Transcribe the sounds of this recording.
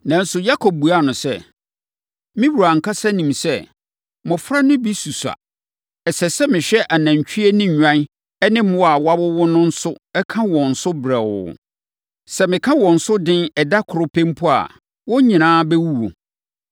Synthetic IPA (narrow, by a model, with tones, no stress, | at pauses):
nã˨n̩˦sʊ˨ja˦kʰo˨b̚bu˨a˦˨nʊ̃˨sɛ˦ | mɪ̃˦wu˨ɾa˨ŋ̩˨kʰa˦sa˦nĩ˨msɛ˦ | mɔ̃˨fɾa˦nʊ̃˦bi˦su˨sa̰˨ | ɛ˨sɛ˨sɛ˦mɪ̃˨ɕᶣɛ˦ʔa˨nã˨ɲ˨t͡ɕʰᶣi˦e˦nɪ̃˦˨ɲᶣã˦n | ɛ˦nɪ̃˦m˦ɔ˦a˨wa˦bʊ˦wʊ˦nʊ̃˦n̩˦sʊ˦ɛ˦kʰã˦wɔ̃˨n̩˨sʊ˦bɾa˨wʊ̰˨ | sɛ˦˨mɪ̃˨kʰã˦wɔ̃˨n̩˨sʊ˦dɪ̃˦nɛ˨da˦kʰʊ˨ɾʊ˨pʰɛ̃˦m˦pʰʊ˦a̰˨ | wɔ˦ɲĩ˨nãː˦bɛ˦wu˦wo˨